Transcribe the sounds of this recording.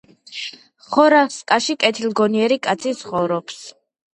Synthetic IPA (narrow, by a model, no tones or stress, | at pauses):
χɔɾaskʼaʃikʼɛt̪ʰilˠɡɔniɛɾikʼat̪sʰisχɔvɾɔps